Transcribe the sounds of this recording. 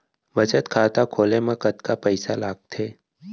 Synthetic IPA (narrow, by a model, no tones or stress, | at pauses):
ʋɐt͡ʃət̪kʰaːt̪akʰoːlemẽkət̪kapəɪsalaːɡ̚t̪ʰeː